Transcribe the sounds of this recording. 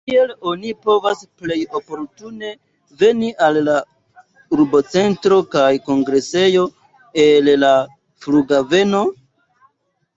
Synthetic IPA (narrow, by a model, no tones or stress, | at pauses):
kie̞lo̞nipo̞vasple̞jo̞po̞ɾtune̞ | ve̞niʔalːa | uɾbo̞t͡se̞ntɾo̞kajko̞ŋɡɾe̞se̞jo̞ | ella | fluɡave̞no̞